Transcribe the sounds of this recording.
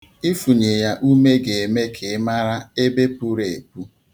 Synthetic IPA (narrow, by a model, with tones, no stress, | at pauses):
i˦fu˨ɲe˨ja˦ʔu˦me˦ɡe˨e˨me˦kʰe˨˦ma˦ɾa˦e˦be˦pu˦ɾe˨e˨pu˦